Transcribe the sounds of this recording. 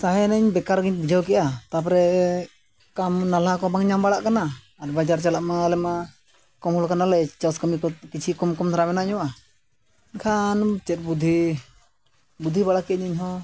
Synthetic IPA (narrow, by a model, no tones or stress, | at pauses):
saɦɛnəɲbɛkaɾɡiɲbid͡ʒʱawkɛʔat̪ap̬ɔɾɛ | kamnalakɔbaŋɲambaɽaʔkanaː | ɾbad͡ʒaɾt͡ʃalaʔmalɛma | kɔmhɔlkanalɛt͡ʃaskamikɔkit͡ʃʰikɔmkɔmt̪ʰaɾamɛnaɲɔwa | nkʰant͡ʃɛt̪̚bud̪ʱi | bud̪ʱːibaɽakɛaɲəɲɦɔ